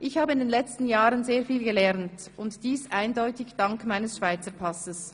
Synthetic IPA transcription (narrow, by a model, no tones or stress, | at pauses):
ʔɪçhaːbəɪndeːnlɛt͡stn̩jaːʁənzeːɐfiːlɡəlɛʁnt | ʊntd̥iːsʔaɪndɔʏtɪçd̥aŋkmaɪnəsʃv̥aɪt͡səpʰasəs